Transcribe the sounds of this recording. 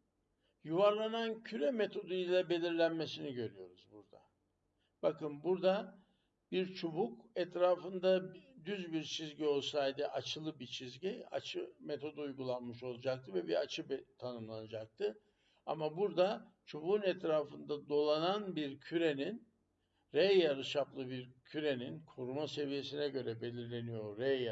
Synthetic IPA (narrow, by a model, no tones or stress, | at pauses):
juvaɾlˠanancʰyɾɛmet̪ʰo̞d̪ujilʲɛbe̞lʲiɾlʲænme̞siniɟø̞ɾyjo̞ɾuzbuɾd̪a̰ | b̥akɯnbuɾd̪a | biɾt͡ʃʰobukɛt̪ɾaːfɯnd̪ad̪yzbiɾt͡ʃʰizɟio̞lˠsajd̪ɯʔat͡ʃʰɯlˠɯbit͡ʃʰizɟia̰t͡ʃʰɯmet̪ʰo̞d̪ujɡulˠanmɯʃo̞lˠad͡ʒak̚t̪ʰɯvɛbiat͡ʃʰɯbt̪ʰanɯmlˠanad͡ʒak̚t̪ʰɯ | a̰mabuɾd̪at͡ʃʰobunɛt̪ɾaːfɯnd̪ad̪o̞lˠananbiɾcʰyɾe̞nin | ɾejaɾɯʃaplˠɯbiɾcʰyɾe̞ninkʰoɾumase̞vije̞sinɛɟø̞ɾɛbe̞lʲiɾlʲe̞nijo̞ɾːe